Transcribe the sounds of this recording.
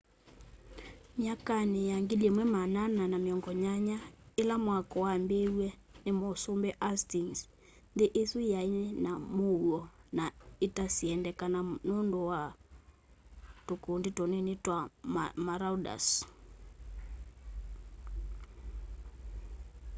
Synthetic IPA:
ɲakanejaŋɡiliɛmwɛmanananameɔŋɡɔɲaɲaelamwakɔwambewɛ | nemosombɛʔastiŋs | ndeʔesujainɛnamouɔnaetasiɛndɛkananondowa | tokondetɔnɛnetwamaɾauda̰s

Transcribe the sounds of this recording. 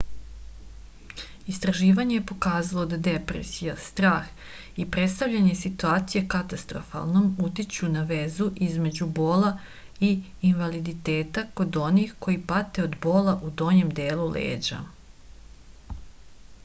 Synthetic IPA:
ist̪ɾaʒiːʋaɲejepo̞kaːzalod̪ad̪e̞pɾḛsijast̪ɾaːx | ipɾet̪st̪aʋʎaɲe̞sit̪uaːt̪sije̞kat̪ast̪ɾo̰fa̰lˠno̞mut̪it͡ɕunaʋe̞zuʔizme̞d͡ʑubo̞ːla | iː | nʋalid̪it̪e̞ːt̪ako̞d̪o̞nixko̞jipat̪e̞od̪bo̞ːlaʔud̪o̞ɲe̞md̪e̞ːlulḛːd͡ʑa̰

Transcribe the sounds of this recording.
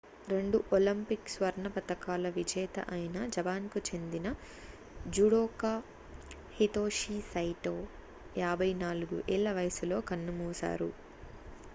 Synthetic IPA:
ɾe̞ɳɖuʔolɐmpiksʋɐɾɳɐpɐt̪ɐkaːlɐʋid͡ʒɛːt̪ɐ̰ʔɐjinɐd͡ʒɐbaːnkut͡ʃe̞nd̪inɐ | d͡ʒuɽoːkaː | hit̪oːʂiːsɐjʈoː | jaːbʱɐjnaːluɡṵʔɛɭːɐʋɐjɐsulo̞ːkɐnːumuːsa̰ːɾṵ

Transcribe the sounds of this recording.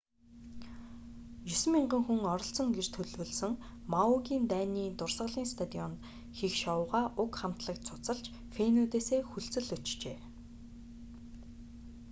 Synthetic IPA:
jɵs̆miɴɢə̆ŋxuŋɔɾɞ̆ɬt͡sɞ̆ŋɡer̥t̪ʰɵɮwɵ̆ɮsɵ̆ŋ | mauɣʲiːnt̪æːniːt̪ʊrsʁə̆ɮiːŋst̪ʰat̪iɔnt̪ | xixʃɔʊʁaːʔʊkχam̥t̪ɮə̆k̚t͡sʰʊ̥t͡sə̆ɬt͡ɕ | fenut̪eːseːxuɬt͡sɘ̆ɮɵt͡ɕt͡ɕeː

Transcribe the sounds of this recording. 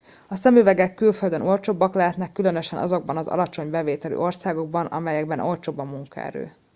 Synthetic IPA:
ɒsɛmøvɛɡɛkːylføld̪øno̞lt͡ʃoːbːɒklaːt̪nɛkːylønøʃɛnʔɒ̰zo̞ɡ̚bɒnɒzɒ̰lɒt͡ʃo̞ɲbɛveːt̪ɛly̰ːo̞rsaːɡo̞ɡ̚bɒnɒ̰mɛjɛɡbɛnʔo̞lt͡ʃoːbːɒmːuŋkɒ̰ɛ̰ɾø̰ː

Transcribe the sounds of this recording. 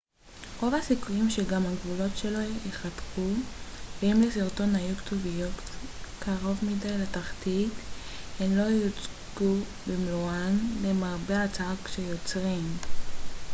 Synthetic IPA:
ʁo̞vasikujimʃeɡamhaɡvulo̞tʃe̞lo̞jeχatχuveimlesiʁto̞nhajuktovijotkʰaʁo̞vmidajlataχtit | hemlo̞jot͡s | ɡ̥u | bemluanlemaʁbeat͡sakʃejot͡sʁim

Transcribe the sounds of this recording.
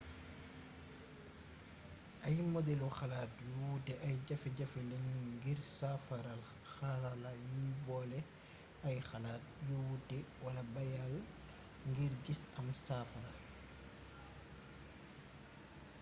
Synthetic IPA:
ʔɐjmɔdɛlɔxalaːt̚juwutɛʔajɟafiɟafilɛɲiŋɡiɾsafaɾal | xaɾalajubɔːlɛ | ɐjxalaːt̚juwutɛwalabajal | ŋɡiɾɡisɐmsafaa

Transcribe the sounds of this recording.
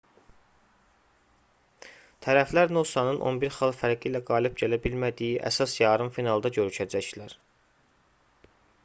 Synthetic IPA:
t̪ʰæɾæflæɾnosɑnɯnʔo̞̰nbiɾxɑlˠfæɾɡiːlæɡɑːlib̚ɟælæbilmæd̪ijiʔæ̰sɑsjɑːɾɯmfinɑlˠd̪ɑɟø̞ɾyʃʰæd͡ʒæçlæɾ

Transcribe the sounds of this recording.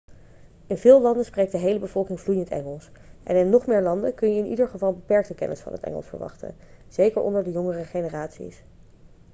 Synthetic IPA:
ɪnvɪːlˠlɑndənsprejk̚dəɦejləbəv̥ɔlˠkɪŋvlujəntɛ̰ŋəlˠs | ʔɛ̰nɪnːɔχmɪːɹlɑndəkɵnjəɪnidəɹχəvɑlˠbəpɛɹk̚təkɛ̰nə̰sfɑ̰nɦə̰tɛ̰ŋəlˠsfə̰ɹʋɑ̰χtə̰ | z̥ejkəɹʔɔ̰ndəɹdəjɔŋərəχenəraːtsḭs

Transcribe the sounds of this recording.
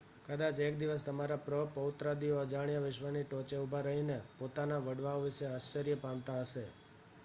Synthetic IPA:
kəd̪at͡ʃek̚d̪iʋəs̬t̪əmaɾapɾəpəʊt̪ɾad̪ioəd͡ʒaɽ̃ijaʋɪʃʋaniʈɔ̃t͡ʃeubʱaɾəɦinepot̪anaʋəɖʋaoʋiʃeaʃt͡ʃəɾjəpamt̪aɦəʃe

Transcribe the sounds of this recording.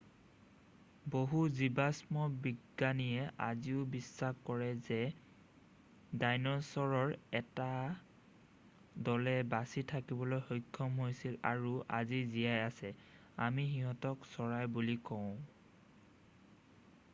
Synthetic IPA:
boɦuzibasmɔbiɡːanijɛʔa̰ziʊbisːaxkɔɹɛzɛ | dajnɔsɔɹɔɹɛta | dɔlɛbasitʰakibɔlojxojkʰːɔmɦojsila̰ɹuʔazizijajasɛ | amixiɦɔtɔksɔɹajbulikɔʊ̃

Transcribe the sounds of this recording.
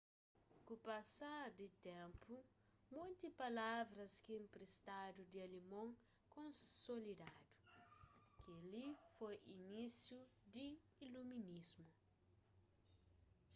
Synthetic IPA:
kupɐsaɾd̪it̪ẽmpu | mũjt̪ipalavɾɐskiẽmpɾest̪ad̪ud̪iɐlimõŋ | kõnsolid̪ad̪u̥ | kialifojinisjud̪iː | luminizmu

